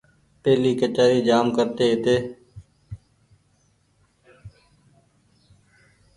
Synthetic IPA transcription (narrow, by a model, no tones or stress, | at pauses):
pɛːliːkət͡ʃaːɾiːd͡ʒaːmkəɾt̪eːɪt̪eː